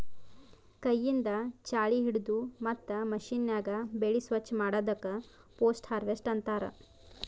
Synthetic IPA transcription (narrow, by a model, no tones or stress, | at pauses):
kɐjːind̪ɐt͡ʃaːɭiɦiɽud̪umɐt̪ːɐmɐʃinjaːɡɐbeɭisʋɐt͡ʃːmaːɽɐːd̪ɐkːɐ | poːsʈhaːɾʋesʈɐnt̪aːɾɐ̰